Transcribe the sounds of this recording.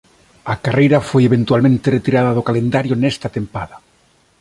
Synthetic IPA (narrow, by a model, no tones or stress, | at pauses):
akarejɾafojeβ̞ent̪walmẽnt̪eret̪iɾaðaðokalend̪aɾjonest̪at̪empa̰ða